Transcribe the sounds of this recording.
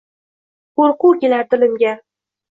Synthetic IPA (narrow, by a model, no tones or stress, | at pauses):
qoɾqukʲelat̪ʊlɪmɡʲa